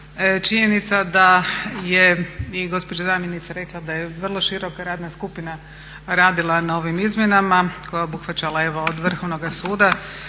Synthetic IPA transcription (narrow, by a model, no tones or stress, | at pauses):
t͡ʃiɲenit̪sad̪ajeiɡo̞spod͡ʒad̪amjenit̪saɾe̞klˠad̪ajeʋr̩lˠo̞ʃiɾo̞kaɾaːd̪naskupina | ɾaːd̪ilˠanao̞ʋimizmʲjenamako̞jaobuxʋat͡ʃalae̞ʋood̪ʋr̩xoʋno̞ɡasuːd̪a